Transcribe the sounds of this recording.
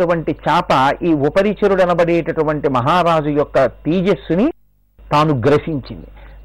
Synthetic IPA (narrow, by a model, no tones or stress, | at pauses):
uʋɐɳʈit͡ʃaːpɐiːupɐɾit͡ʃɐɾuɽɐnɐbɐɽeːʈɐʈuʋɐɳʈimɐɦaːɾaːd͡ʒujɔkːɐt̪iːd͡ʒesuni | t̪aːnuɡɾɐʃiɲt͡ʃḭnd̪i